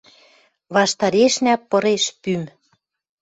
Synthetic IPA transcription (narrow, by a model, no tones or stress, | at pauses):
βɑʃt̪ɑɾeʃnæpːɤ̆ɾeʃpym